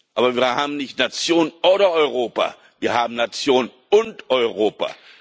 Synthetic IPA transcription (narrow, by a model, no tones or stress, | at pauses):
ʔaːbɐviːɐhaːbm̩nɪçtnat͡sjoːnənʔoːɾɐɔʏʁoːpa̰ | viːɐhaːbm̩nat͡sjoːnən | ʊntʔɔʏʁoːpa̰